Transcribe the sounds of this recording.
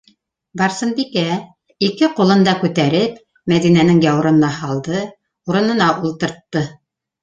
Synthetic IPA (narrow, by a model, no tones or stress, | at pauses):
bɑɾsɤnbikæ | ikɘqulˠɤ̆nd̪ɑkʉt̪æɾɘp | mæðinænɘŋjɑwɾŏnɤ̆nɑhɑlˠd̪ɤ | uɾɤ̆nɤ̆nɑʔulˠt̪ɤ̆ɾt̪ːɤ